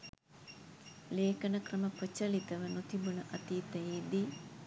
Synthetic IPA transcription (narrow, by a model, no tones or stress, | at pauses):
leːkɐnəkrəməprət͡ʃɐlit̪əʋənot̪ibunəʔɐt̪it̪ɛjeːd̪i